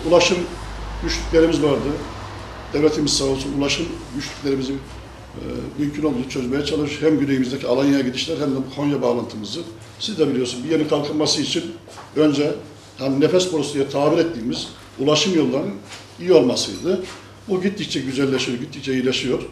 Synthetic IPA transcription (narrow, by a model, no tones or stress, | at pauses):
ulˠaʃɯmɟyʃlʲycʲlʲe̞ɾimizvaɾd̪ɯ | d̪̥evlʲet̪ʰimizsanolˠsunulˠaʃɯmɟyʃlʲycʲlʲe̞ɾimizim | mymcʰyno̞lˠd̪uut͡ʃʰø̞zmejɛt͡ʃʰalˠɯʃhæmɟynejimizd̪ecʰialˠanjajaɟid̪iʃlʲæɾhɛæmd̪ɛkʰo̞njabaːlˠant̪ʰɯmɯzɯ | sizd̪ɛbilʲijo̞ɾsunbijenikʰalˠkʰɯnmasɯit͡ʃʰin | ønd͡ʒɛ | haninefɛspoɾusd̪ijat̪ʰaːbiɾɛt̪ːiːmiz | ulˠaʃɯmjo̞lˠːaɾɯn | ijio̞lˠmasɯjd̪ɯ | buɟit̪ːict͡ʃʰɛɟyzælʲːeʃijo̞ɾɟit̪ːic̚t͡ʃɛjɯɾlʲeʃijo̞ɾ̥